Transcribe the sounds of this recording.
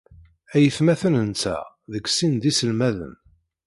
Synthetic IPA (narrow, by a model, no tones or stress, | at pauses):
æjəθmæθənənt͡sːæ̰ | ðəkːsind̪isəlmæðə̰n